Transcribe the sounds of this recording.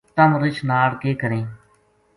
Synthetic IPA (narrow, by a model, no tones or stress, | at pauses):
t̪əmɾɪt͡ʃnaːɽkeːkəɾẽː